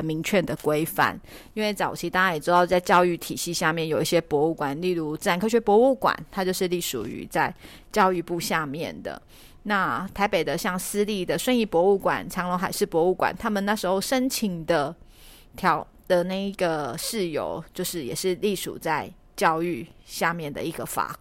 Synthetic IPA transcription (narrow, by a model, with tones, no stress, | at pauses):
mi˧˥ŋt͡ɕʰɥɛ˥˩nd̪ə˩kwe˥ɪfa̰˥˩n | i˥nwe˥˩ɪt͡sɑ˨˩ʊt͡ɕʰi˧˥t̪a˥˧ŋa˥˩jɛ˨˩ʈ͡ʂ̩˥d̪ɑ˥˧ʊt͡sa˥˧ɪt͡ɕjɑ˥˧ʊy˥˩t̪ʰi˨˩ɕi˥˧ɕja˥˧mjɛ˥˩njo˨˩ʊi˥˩ɕjɛ˥pwɔ˧˥u˥˩kwa˨˩nli˥˧lu˥˧t͡s̩˥˩a˧˥nkʰɤ˥˧˩ɕɥɛ˧˥pwɔ˧˥u˥˩kwa̰˨˩˦nt̪ʰa˥t͡ɕjo˥˧ʊʂɻ̩˥˧li˥˩ʂṵ˨˩y̰˧˥˦t͡sa˥˧ɪ | t͡ɕjɑ˥˧ʊy˥˧pu˥˧ɕja˥˧mjɛ˥˨˩nd̪ə̰˩ | na˥˩t̪ʰa˧˥ɪpe˨˩ɪd̪ə˦ɕjɑ˥˩ŋsɹ̩˥li˥˩d̪ə˩ʂwə˥˧ni˥˩pwɔ˧˥u˥˩kwa̰˨˩nʈ͡ʂʰɑ˧˥ŋlo˧˥ŋxa˨˩ɪʂɻ̩˥˩pwɔ˧˥u˥˩kwa̰˨˩nt̪ʰa˥mə˨na˥˩ʂɻ̩˧˥xo˥˩ʊʂə˥nt͡ɕʰi˧˥ŋd̪ə˨ | t̪ʰjɑ˧˥ʊ | d̪̥ə˨na˥˩ɪi˧˥ɡə˨ʂɻ̩˥˩jo̰˧˦ʊt͡ɕjo˥˧ʊʂɻ̩˥˩jɛ˨˩ʂɻ̩˥˧li˥˩ʂṵ˨˩t͡sa˥˧ɪ | t͡ɕjɑ˥˧ʊy˥˧ɕja˥˧mjɛ˥˩nd̪ə̰˩i˧˥ɡə˧fa̰˨˩˦